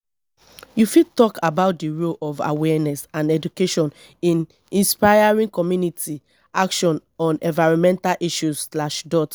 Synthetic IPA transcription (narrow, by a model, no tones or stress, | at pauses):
jufitɔkʰabaʊt̚diɹolɔva̰wɛnɛsãnɛdukeʃɔ̃n | ĩn | ĩnspajaɹĩŋkɔmjuniti | akʃɔ̃nɔ̃nɛ̰̃nvaɪɹɔ̃nmɛ̃ntalʔiʃuslaʃdɔt